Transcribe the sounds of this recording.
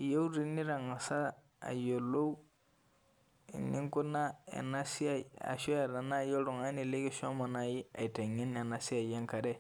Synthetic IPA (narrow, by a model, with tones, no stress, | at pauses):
je˦u˦ɾi˦ni˦ɾa˨ŋa˨sa˦ | a̰˨jo˨lo˦u˦ | nḭ̃˦ŋko˦na˦a̰˨na˦si˦a˨a̰˨sɔ˦a˨ɾã˨na˦jɔ˦lɔ̃˨ŋa˦ni˦le˦ɡe˦si˦ɔ̃˦mã˨na˨je˦a̰˨e˨tɛ˨ɲɛ˦ni˨a˨na˨si˦a˨jɛ̃˦ŋka˨ɾɛ˦